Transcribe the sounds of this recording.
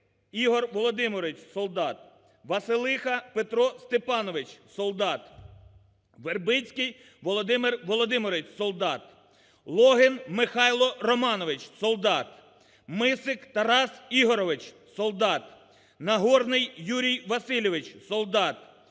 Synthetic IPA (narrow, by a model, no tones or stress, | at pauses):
iɦɔrʋɔlˠɔd̪ɪmɔɾɪt͡ʃsɔlˠd̪ɑt̪̚ | ʋɐsɪlˠɪxɐpet̪ɾɔst̪epɑnɔʋɪt͡ʃsɔlˠd̪ɑt̪ | ʋerbɪt͡ssʲkɪj | ʋɔlˠɔd̪ɪmɪrʋɔlˠɔd̪ɪmɪɾɪt͡ʃʲsɔlˠd̪ɑt̪ | lˠɔɦɪnmɪxɑjlˠɔrɔmɑnɔʋɪt͡ʃsɔlˠd̪ɑt̪ | mɪsɪkt̪ɐɾɑsiɦɔɾɔʋɪt͡ʃ | sɔlˠd̪ɑt̪ | nɐɦɔrnɪjːuɾʲijʋɐsɪlʲɔʋɪt͡ʃsɔlˠd̪ɑt̪̚